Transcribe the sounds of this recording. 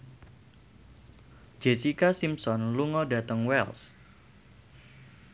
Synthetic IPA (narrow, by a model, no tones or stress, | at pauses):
d͡ʒ̥esikasimsɔnluŋɔdä̤t̪əŋwɛls